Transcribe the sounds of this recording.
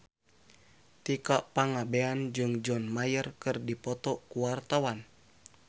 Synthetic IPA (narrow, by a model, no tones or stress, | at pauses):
t̪ikaʔpaŋabeand͡ʒɨŋd͡ʒɔnmajərkɨrdipɔt̪ɔkuwart̪awan